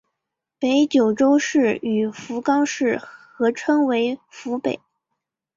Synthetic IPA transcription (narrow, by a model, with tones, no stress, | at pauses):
pe˧˥ɪt͡ɕjo˨˩ʊʈ͡ʂo˥ʊʂɻ̩˥˩y˨˩fu˧˥kɑ˥ŋʂɻ̩˥˩xɤ˧˥ʈ͡ʂʰɤ˥ŋwe˧˥ɪfu˧˥pḛ˨˩˦ɪ